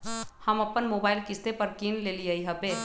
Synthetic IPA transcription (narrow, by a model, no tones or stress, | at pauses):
həməpːənmoːbaːɪlkɪst̪epəɾkiːnleːliəiɦəpe